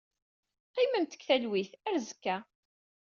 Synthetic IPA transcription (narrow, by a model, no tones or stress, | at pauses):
qːimənt̪ə̥kθælwiθæɾzəkːæ